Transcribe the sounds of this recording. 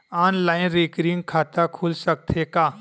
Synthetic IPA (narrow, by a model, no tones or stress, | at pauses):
aːnlaːɪnɾeːkɾiŋɡkʰaːt̪akʰuːlsək̚t̪ʰekaː